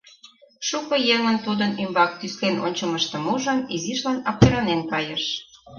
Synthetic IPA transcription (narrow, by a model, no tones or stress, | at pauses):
ʃukɤ̆jeŋənt̪ud̪ənymbɑk̚t̪ysleno̰nʲt͡ɕəməʃt̪ə̆muʒəniziʃlɑnɑp̚t̪eɾɑnenkɑjəʃ